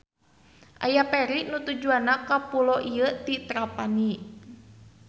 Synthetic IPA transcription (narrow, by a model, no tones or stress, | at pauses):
ʔa̰japɛɾiʔnut̪ud͡ʒuanakapulɔʔiət̪it̪ɾapani